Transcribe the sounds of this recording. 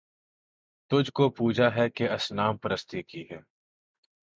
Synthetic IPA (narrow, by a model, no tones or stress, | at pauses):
t̪ʊd͡ʒʱkopuːd͡ʒaɦɛkeɐsnaːmpɐɾəst̪ikiɦɛː